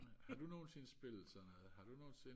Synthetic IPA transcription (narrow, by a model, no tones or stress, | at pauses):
hɑd̥uno̝ːnsensb̥e̝l̰sɒnɔð̩ˠhɑ̈d̥uno̝ːnsen